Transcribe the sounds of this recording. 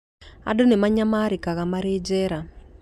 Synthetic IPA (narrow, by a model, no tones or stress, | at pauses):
a̰donemaɲamaɾikaɣamaɾed͡ʒɛɾa